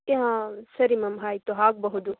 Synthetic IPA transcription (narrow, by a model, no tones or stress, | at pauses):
keɦãːsɐɾimɐmɦaːit̪oɦaːk̚bɐɦud͡ʒu